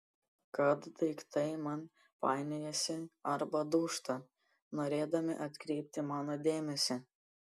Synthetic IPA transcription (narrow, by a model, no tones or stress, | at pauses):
kɐt̪d̪ɐɪkt̪ɐɪmɐn | pɑ̰ːɪnʲɛjɛsʲɪɐɾbɐd̪uːʃt̪ɐ | noːɾʲeːd̪ɐmʲɪ̰ʔɐt̪ʲkɾʲɛɪpʲt̪ʲɪmɑːnoːd̪ʲeːmʲɛsʲɛ